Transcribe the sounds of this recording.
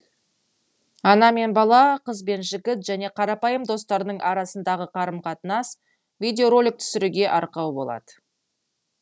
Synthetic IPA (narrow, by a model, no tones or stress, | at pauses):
ɑnɑme̞nbɑlˠɑqəzbe̞nʒɪkʲɪt̪ʒæne̞qʰɑɾɑpɑjəmd̪o̞st̪ɑɾnəɴʔɑɾɑsənd̪ɑʁəqʰɑɾəmqʰɑt̪ənɑs | vʲijd̪ʲeoɾo̞lʲɪk̚t̪ʰʏ̥sɪɾuɡʲe̞ʔɑɾqɑwbo̞̰lˠɑ̰d̪̥ə